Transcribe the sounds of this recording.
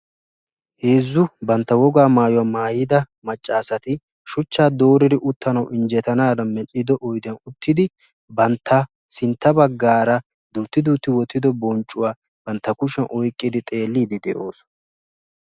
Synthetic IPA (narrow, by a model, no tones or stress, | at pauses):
he̞ːzːʊbɐnt̪ːɐwɔɡaːmaːjʊwɐmaːjɪd̪ɐ | mɐt͡ʃʼːaːsɐt̪ɪ | ʃʊt͡ʃːaːd̪oːɾɪɾɪʔʊt̪ːɐnɐwʔɪnd͡ʒɛt̪ɐnaːd̪ɐmɛɗɪd̪ɔʔɔjd̪ɪɐnʊt̪ːɪd̪ɪ | bɐnt̪ʰːɐ | sɪnt̪ːɐbɐɡːaːɾɐ | d̪uːt̪ːɪd̪uːt̪ːɪwɔt̪ːɪd̪ɔbɔnt͡ʃʼːʊwaː | b̥ɐnt̪ːɐkʊʃɛnʔɔjkʼːɪd̪ɪt̪ʼe̞ːlːiːd̪ɪd̪ɛʔo̞ːs